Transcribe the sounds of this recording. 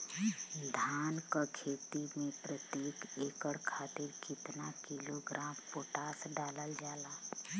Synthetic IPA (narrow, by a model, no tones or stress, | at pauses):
d̪ʱaːnkakʰeːt̪imẽpɾət̪jeːkeːkəɽkʰaːt̪ɪɾkɪt̪nakiloɡɾʔaːmpoːʈaːsɖaːləld͡ʒaːlaː